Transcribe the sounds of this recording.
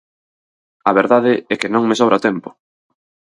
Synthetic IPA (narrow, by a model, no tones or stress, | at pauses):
ɐβeɾðaðɪɛkɪnõŋmesowɾat̪ɛmpʊ̥